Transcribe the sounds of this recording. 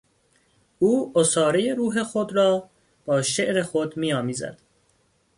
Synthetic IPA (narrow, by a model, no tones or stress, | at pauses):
uːosɒːɾe̞je̞ɾuːɦe̞xod̪ɾɒː | b̥ɒːʃe̞ʔɾe̞xod̪miːjɒːmiːzæ̰d̪̥